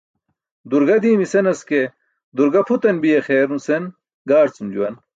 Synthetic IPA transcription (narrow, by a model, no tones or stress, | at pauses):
d̪uɾɡɐd̪iːmisenɐske | d̪uɾɡɐpʰut̪ɐnbijexeːɾnusen | ɡaːɾt͡sumd͡ʑuwɐn